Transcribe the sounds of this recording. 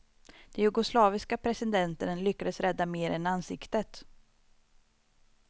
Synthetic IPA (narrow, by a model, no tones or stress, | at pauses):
d̪̥ɛjɵɡʊslɑːvɪskapʰɾɛsɪd̪ɛnt̪ənəlʏkːad̪əsɾɛd̪ːameːɾɛnansɪkt̪ət̪